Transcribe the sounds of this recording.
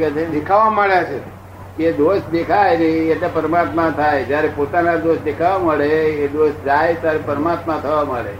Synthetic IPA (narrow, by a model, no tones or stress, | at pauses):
et͡ʃʰed̪ekʰaʋamaɭjat͡ʃʰe | keed̪oʃd̪ekʰajneeʈlepəɾəmat̪mat̪ʰajd͡ʒjaɾepot̪anad̪oʃd̪ekʰaʋaməɭeed̪oʃd͡ʒajt̪jaɾepəɾəmat̪mat̪ʰəʋaməɭḛ